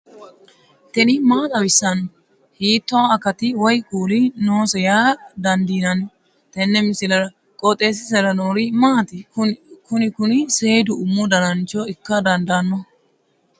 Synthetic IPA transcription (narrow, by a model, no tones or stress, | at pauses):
t̪ɛnɪmaːt̪ʼɐwɪsːɐnːɔ | hiːt̪ːɔɐkːɐt̪ɪwɔjkʼuːlɪnoːsɛjaːd̪ɐnd̪iːnɐnːɔ | t̪ɛnːɛmɪsɪlɐɾɐ | kʼɔt̪ʼːe̞ːs̬ɪs̬ɛɾɐnoːɾɪmaːt̪ɪkʊnɪkʊnɪseːd̪ʊʊmːɔd̪ɐnɐnt͡ʃːɔɪkːɐd̪ɐnd̪anːɔ